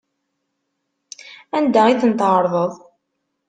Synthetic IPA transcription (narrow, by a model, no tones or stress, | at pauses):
ænd̪æiθənt̪ʕəɾˤðˤəðˤ